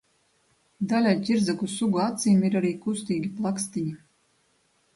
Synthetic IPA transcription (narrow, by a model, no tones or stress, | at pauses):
d̪alʲajc̪ʲiɾzakusuɡuat̪sijmiɾaɾiːkust̪iːɡʲiplˠakst̪iɲi